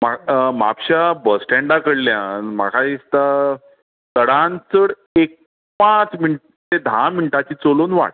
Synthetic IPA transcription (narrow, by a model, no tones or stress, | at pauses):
mama̰pɕabəsʈɛ̃ɳɖakəɽljãnma̰kʰaist̪a | t̪əɽant͡səɽ | ek̚ | pãt͡sminʈ | t̪ed̪ʱaminiʈat͡ɕiːt͡solonʋa̰ʈ